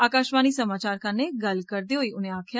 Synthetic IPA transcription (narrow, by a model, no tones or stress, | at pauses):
aːkaːʃʋaːnisɐmaːt͡ʃaːɾkaneɡɐlkɐɾd̪iɦoiʊnɦẽaːkʰja